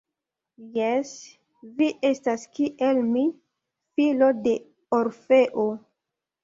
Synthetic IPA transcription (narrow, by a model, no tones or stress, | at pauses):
jes | viʔe̞staskiʔelmi | filo̞de̞ | oɾfe̞ʔo